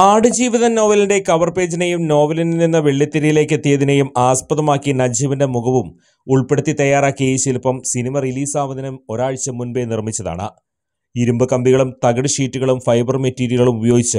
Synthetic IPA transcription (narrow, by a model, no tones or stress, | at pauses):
aːɽɨd͡ʑiːʋiðɐno̞ːʋɐlinde̞kɐʋɐrpe̞ːd͡ʑinejumno̞ːʋɐlininːinːɐʋeɭːit̪ːɐɾɐjile̞ːkːet̪ːijɐðinejumaːspɐðɐmaːkːinɐd͡ʑiʋindemuɣɐʋum | uɭpe̞ɽut̪ːit̪ɐjaːraːkːiɣɐjiɕilupːɐmsinimɐriliːsaːʋɐd̪ɐnɐmo̞ɾaːɻt͡ɕːɐmːunbenirmit͡ɕːɐða̰ːɳɨ̰ | iɾumbɨkɐmbiɣɐɭumt̪ɐɣɐɽɨʂiːtːuɣɐɭumfɐjbɐrmetːiːɾijiɣɐɭumubɐjoːɡit͡ɕːɨ